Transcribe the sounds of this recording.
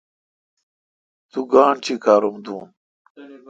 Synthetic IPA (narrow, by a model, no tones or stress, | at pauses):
t̪uɡaːɳt͡ɕʰikʰaːɾumd̪uːn